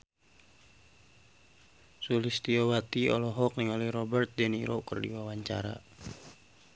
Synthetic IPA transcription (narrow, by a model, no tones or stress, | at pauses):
sulist̪iɔwat̪iɔlɔɦɔk̚niŋɔlɛhrɔbɛrt̪̚dɛniɾɔkərdḭwawaɲt͡ʃa̰ɾa̰